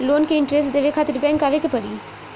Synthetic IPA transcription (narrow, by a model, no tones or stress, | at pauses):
loːnkeɪɳʈɾesʈd̪eːʋeːkʰaːt̪əɾbɛ̃ːŋkaːʋekepəɽiː